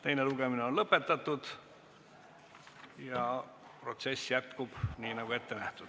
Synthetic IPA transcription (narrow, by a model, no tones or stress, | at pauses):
t̪e̞jne̞luɡ̥e̞mineo̞nlɤpːe̞t̪ːˑɑt̪ːˑud̪̥ | jɑ | pro̞t̪se̞sːjæt̪kub̥niːnɑɡ̥ue̞t̪ːe̞næht̪ud̪̥